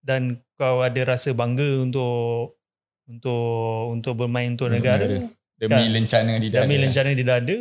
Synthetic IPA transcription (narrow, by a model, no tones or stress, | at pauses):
dankawadəɾasəbaŋɡəunt̪̬ʊʔ | unt̪ʊʔunt̪ʊʔ̚bərmãɪnunt̪ʊnəɡaɾə | dəamiləɲt͡ʃanadiddəmĩləɲt͡ʃanədidaadə